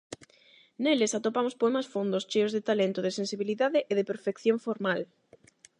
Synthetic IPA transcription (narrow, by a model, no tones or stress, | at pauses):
nelesat̪opamospoɛmasfond̪ost͡ʃejozðet̪alent̪ʊðɪsensiβiliðaðeʔeðepeɾfekθjoɱfoɾmal